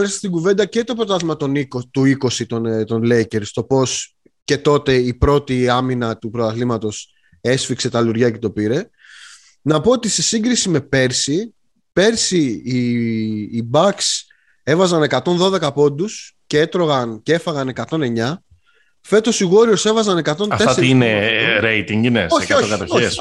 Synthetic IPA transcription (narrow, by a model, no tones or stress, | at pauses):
ɐlst̪ɐ̥st̪iɡuve̞nd̪ɐce̞t̪o̞pɾot̪ɐðzmɐt̪o̞nikot̪uiko̞sit̪ont̪o̞nle̞jce̞ɾst̪o̞po̞s | ce̞t̪o̞t̪e̞ipɾo̞t̪iɐminɐt̪upɾot̪ɐθlimɐt̪o̞s | e̞sfikse̞t̪ɐluɾʝɐcet̪o̞piɾe̞ | nɐpo̞ot̪ise̞siŋɡɾisime̞pe̞ɾsi | pe̞ɾsiː | bɐks | e̞vɐzɐne̞kɐt̪o̞nðoðe̞kɐpo̞nd̪uscee̞t̪ɾo̞ɣɐncee̞fɐɣɐne̞kɐt̪o̞ne̞ɲɐ | fe̞t̪o̞siɣo̞ɾio̞se̞vɐzɐne̞kɐt̪o̞nɐfe̞sɾiineɾejt̪iŋinesoookɐt̪ooe